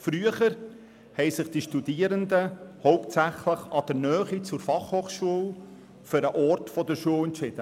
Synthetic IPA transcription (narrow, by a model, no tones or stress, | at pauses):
fɾyəχəɾ | hɛɪsɪχd̥iʃtudiːəɾənd̪əhoʊptt͡sæχləχɑd̥əɾnœːχit͡sʊɾfɑχhoːχʃuəl | føɾəʔɔɾtfɔd̪əɾʃuəlɛntt͡ʃɪd̥̪ə